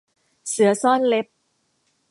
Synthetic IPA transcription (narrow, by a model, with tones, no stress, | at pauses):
sɯ˨˩˦ɐsɔː˥˩nle˦˥p̚